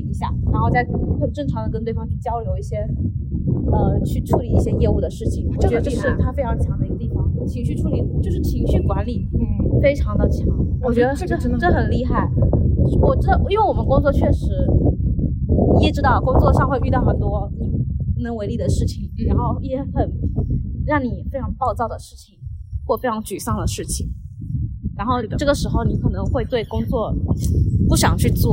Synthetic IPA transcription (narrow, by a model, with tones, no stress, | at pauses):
i˥˩i˧˥ɕja̰˥˩ɻa˧˥nxo˥˧ʊt͡sa˥˩ɪkʰɤ˨˩nə˧˥ŋxə˨˩ʈ͡ʂɤ˥˩ŋʈ͡ʂʰɑ˧˥ŋd̪ə˧kə˥nt̪we˥˩ɪfɑ˥ŋt̪ʰɛ˥˩t͡ɕjɑ˥ʊljo˧˥ʊi˥˩ɕjɛ˥ | ə˧t͡ɕʰy˥˧ʈ͡ʂʰu˥˩li˨˥i˥˩ɕjɛ˥jɛ˥˧u˥˩d̪ə˩ʂɻ̩˥˩t͡ɕʰi˨˩ŋwɔ˨˩ʈ͡ʂɤ˥˩˧ə˧ʈ͡ʂʂɻ̩˥˩t̪ʰa˥fe˥ɪʈ͡ʂʰɑ˧˥ŋt͡ɕʰjɑ˧˥ŋd̪ə˧˩i˧˥ɡə˧t̪i˥˩fɑ˥˩ŋ˩t͡ɕʰi˧˥ŋɕy˥˧ʈ͡ʂʰu˥˩li˨˩ʈ͡ʂɻ̩˨˩ʂɻ̩˥˩t͡ɕʰi˧˥ŋɕy˥˩kwa˧˥nli˨˩˦fe˥ɪʈ͡ʂʰɑ˧˥ŋd̪ə˧t͡ɕʰjɑ˧˥˦wɔ˨˩t͡ɕɥɛ˧˥ə˧˥˧ʈ͡ʂə˥˩˥xə˨˩nli˥˧xa˥˩ɪ˥˩wɔ˨˩ʈ͡ʂɻ̩˧˥d̪ə˧i˥nwe˥˩wɔ˨˩mə˦nkʊ˥ŋt͡swɔ˥˧t͡ɕʰɥɛ˥˩ʂɻ̩˧˥˧ | ɛ˥˩ʈ͡ʂɻ̩˥t̪ɑ˥˩ʊkʊ˥ŋt͡swɔ˥˧ʂɑ˥˧ŋxwe˥˧py˥˧t̪ɑ˥˩xə˨˩nt̪wɔ˥ni˨˩˥nə˧˥ŋwe˧˥ɪli˥˩d̪ə˩ʂɻ̩˥˩t͡ɕʰi˨˩ŋɻa˧˥nxo˥˩ʊɛ˧˥xə˨˩n | ɻɑ˥˩ŋni˨˩fe˥ɪʈ͡ʂʰɑ˧˥ŋpɑ˥˧ʊt͡sɑ˥˩ʊd̪ə˩ʂɻ̩˥˩t͡ɕʰi˨˩ŋxwɔ˥˩fe˥ɪʈ͡ʂʰɑ˧˥ŋt͡ɕy˨˩sɑ˥˩ŋd̪ə˩ʂɻ̩˥˩t͡ɕʰi˩ŋ | ɻa˧˥nxo˥˩ʈ͡ʂɤ˥˩ɡə˩ʂɻ̩˧˥xo˧ʊni˧˥kʰɤ˨˩nɤ˧˥ŋxwe˥˧ɪt̪we˥˩ɪkʊ˥ŋt͡swɔ˥˩ | pu˥˩ɕjɑ̰˨˩ŋt͡ɕʰy˥˧t͡swɔ˥˩